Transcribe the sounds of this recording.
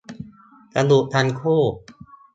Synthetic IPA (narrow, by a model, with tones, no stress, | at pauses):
ka˧d̪u˨˩ʔ̚t̪ʰa˧nkʰuː˥˩